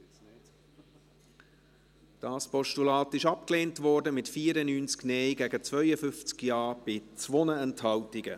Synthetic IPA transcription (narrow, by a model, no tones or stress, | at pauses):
d̥ɑːspɔʃtulɑːtɪʃɑp̚kleːntvɔːɾdəmɪtfiːɾənyːnt͡sknɛɪɡæɡət͡svœʏəfʏnft͡skjɑːb̥ɪt͡sʋonəɛnthɑltɪɡ̥ə̰